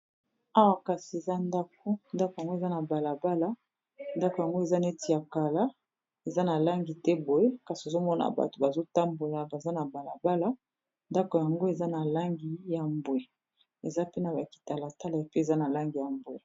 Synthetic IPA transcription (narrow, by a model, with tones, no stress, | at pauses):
a˦wa˨ka˨si˨e˨za˦nda˦k̚o˦nda˦ko˨ja˨ŋɡo˦e˨za˦na˨ba˨la˨ba˦la˦ | nda˦ko˨ja˨ŋɡo˦e˨za˦na˨e˦ti˨ja˨ka˨la˦ | e˨za˦na˨la˦ŋɡi˨tɛ˦bo˨je˦ka˨si˨e˨zo˦mɔ˦na̰˨ba̰˨to̥˨ba˨zo˦ta˦mbo˨la˨ba˨za˦na˨ba˨la˨ba˦la˦ | nda˦ko˨ja˨ŋɡo˦e˨za˦na˨la˦ŋɡi˨ja˨mbwe˨ | e˨za˦pe˦na˨ba˨ki̥˨ta˨la˨ta˦la˨e˨pe˦e˨za˦na˨la˦ŋɡi˨ja˨mbwe˨